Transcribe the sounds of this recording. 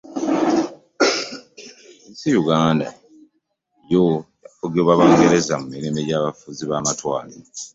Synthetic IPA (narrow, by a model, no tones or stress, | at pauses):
isijuɡaːnda̰ | ejojafoɡeβwaβaːŋɡe̞ɾe̞zamumiɾimeɟaːβafuziβaːmatwaːli